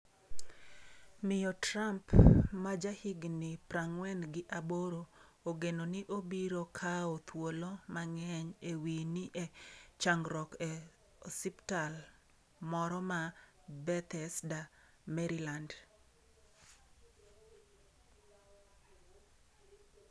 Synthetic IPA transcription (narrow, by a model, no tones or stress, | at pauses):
mɪjɔtɾampmad͡ʒahɪɡnɪpɾaŋwɛnɡɪʔaboɾo | oɡenonɪʔobiɾokʰaot̪wolomaŋɛɲewiniʔet͡ʃaŋɡɾɔkɛ | siptal | mɔɾɔma | bɛt̪ɛsda | mɛɾiland